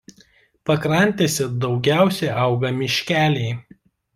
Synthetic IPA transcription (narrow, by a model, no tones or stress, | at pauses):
pɐkɾɐnʲt̪ʲeːsʲɛd̪ɒʊɡʲæˑʊsʲɛɪʔɐˑʊɡɐmʲɪʃʲkʲæːlʲɛɪ